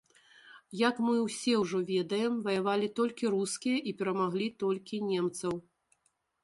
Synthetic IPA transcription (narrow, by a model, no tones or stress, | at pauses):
jɐkmɨwsʲɛwʐɔvʲɛd̪ɐjɛmvɐjavalʲit̪ɔlʲkʲiɾuskʲijɐʔipʲɛɾɐmaɣlʲit̪ɔlʲkʲinʲɛmt̪sɐw